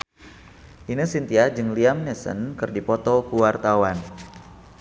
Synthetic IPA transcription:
ʔinəsint̪iad͡ʒɨŋliamnɛsə̰nkɨrdipɔt̪ɔkuwart̪awan

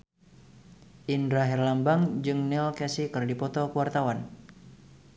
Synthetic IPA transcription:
ʔindɾaɦɛrlambaŋd͡ʒɨŋnɪlkɛsikɨrdipɔt̪ɔkəwart̪awan

